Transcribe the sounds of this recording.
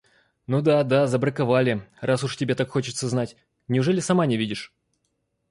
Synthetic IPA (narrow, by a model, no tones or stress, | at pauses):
nud̪ad̪azəbɾəkavalʲɪrʔasʊʂtʲɪbʲet̪akxo̞t͡ɕɪ̥t̪səznatʲ | nʲɪʊʐɛlʲɪsɐmanʲɪvʲidʲɪʂ